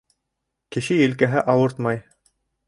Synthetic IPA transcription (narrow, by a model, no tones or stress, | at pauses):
kɘ̆ʃɘjɘ̆lkæɦɘʔɑwɤɾt̪mɑj